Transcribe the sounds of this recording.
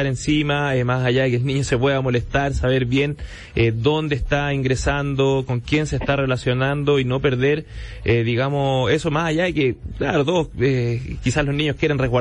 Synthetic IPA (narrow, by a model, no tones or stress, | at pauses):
aɾensimaemasaʝaðekeːlniɲosepweðamo̞lest̪aɾsaβeɾβje̞n | ed̪ond̪eːht̪aiŋɡɾesand̪okoŋkje̞nseːst̪arelasjo̞nand̪oino̞pe̞ɾðeɾeðiɣamosesomasaʝaðekeklaɾot̪̬oðosekisalozniɲohkjeɾenreɣwa